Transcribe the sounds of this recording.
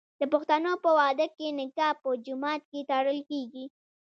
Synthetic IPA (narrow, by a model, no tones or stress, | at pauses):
d̪əpʊxt̪anopəwɑd̪əkenɪkɑhpəd͡ʒʊmɑt̪̚ket̪ɑɽəlkeɡi